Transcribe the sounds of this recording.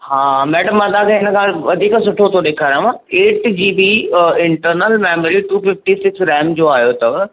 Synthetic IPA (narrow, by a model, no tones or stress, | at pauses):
hãːmɛːɖəmːɐ̃d̪akʰẽɦɪnəkʰãːʋɐd̪ʱiːksʊʈʰot̪ʰoɗeːkʰaːɾãmãːeːʈd͡ʑiːbiɪ̃ɳʈəɾnəlmɛːməɾiʈuːfɪfʈisɪksɾɛːmd͡ʑoːaːɦjot̪ɐʋ